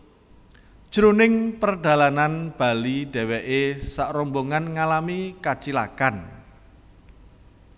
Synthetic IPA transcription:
d̥ʒ̥ɾunɪŋpərɖ̥a̤lananb̥a̤liɖ̥ɛ̤wɛʔesaʔɾɔmboŋanŋalamikat͡ʃila̰kan

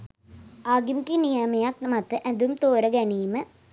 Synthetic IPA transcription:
aːɡimkinijamɐjak̚nɐmɐt̪ːɨʔɐnd̪umt̪oːɾɐɡɐniːmɨ

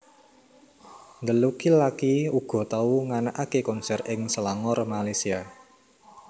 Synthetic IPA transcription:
nd̪əlukilakiuɡ̥ɔ̤t̪auŋanaʔakekɔnsɛrɪŋsəlaŋɔrmalasia

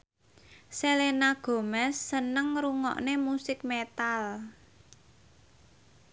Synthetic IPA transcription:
selenaɡ̥o̤mɛsːənəŋruŋɔ̰ʔnemusɪk̚met̪al

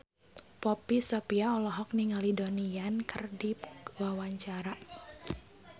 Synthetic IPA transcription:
pɔpisɔpiaɔlɔɦɔk̚niŋalidoniankərdiwawaɲt͡ʃaɾa

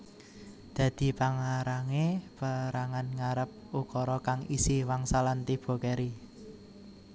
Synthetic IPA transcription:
d̪̥ä̤d̪̥i̤paŋaɾaŋepəɾaŋanŋaɾəp̚ukɔɾɔkaŋisiwaŋsalant̪ib̥o̤kɛɾi

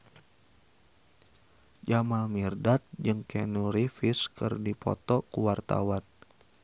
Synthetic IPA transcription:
d͡ʒamamirdat̪̚d͡ʒɨŋkɛnuɾifiskɨrdipɔ̰t̪ɔkuwart̪a̰wan

